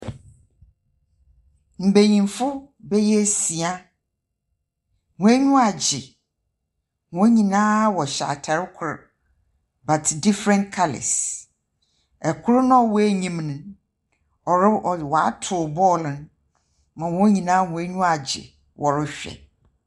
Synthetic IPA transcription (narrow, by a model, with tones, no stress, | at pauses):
m̩˨be˨ɲĩ˨m˦fʊ˦bɛ˦jɛ˦˨si˨a˦ | wɔ̃˨æ˦ɲũ˦a˨d͡ʑɪ˨ | wɔ̃˦ɲĩ˨nãː˦wɔ˨ɕa̰˨tʰɛ˨ɾɪ˦kʰʊ˨ɾ | ba˨tʰdi˦fɾɛ̃˦nkʰa˦lɪ̰˨s | ɛ˨kʰʊ˦ɾʊ˦nʊ̃˦˨wɔ˦e˦ɲĩ˦mnʊ̃˨ | ɔ˨ɾɪ˦ʔɔ˨wɔ˨a̰˦tʰʊ˨bɔː˦˨lɪ̃˦n | mã˨wɔ̃˦ɲĩ˨nãː˦wɔ̃˨æ˦ɲũ˦a˨d͡ʑɪ̰˨ | wʔɔ˨ɾɪ˦ɕᶣɛ̰˨